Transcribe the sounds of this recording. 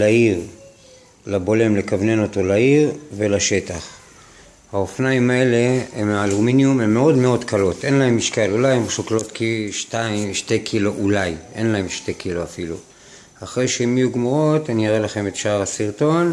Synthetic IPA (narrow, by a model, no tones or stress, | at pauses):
laiʁ | labo̞le̞mlekavne̞no̞to̞laiʁve̞laʃe̞taχ | haofnaimaele̞emaluminjumemːeo̞dme̞o̞dkalo̞te̞nlahe̞mːiʃkalulajemʃoklo̞tkiʃtaiʃte̞jkʰiloʔulajʔe̞̰nlae̞mʃte̞kʰiloafilṵ | aχʁejʃeimijuɡmuʁo̞tanijaʁelaχe̞me̞tʃaʁasiʁto̞n